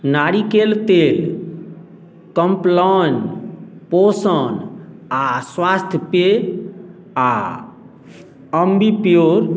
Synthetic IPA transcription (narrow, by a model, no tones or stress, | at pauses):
naɾikelt̪el | kəmplɔnposənaswast̪ʰjpe | a | əmbʱipijoɾ